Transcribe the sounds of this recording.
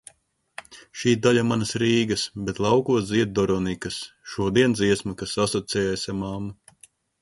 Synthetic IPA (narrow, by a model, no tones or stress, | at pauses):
ʃiːd̪aʎamanɐsɾiːɡɐsbet̪lˠɑwkuɔsziɛt̪̚d̪ɔɾɔnikɐsʃuɔd̪iɛnd̪ziɛsmɐkasːasɔt̪sɛjɛjsʲamamːu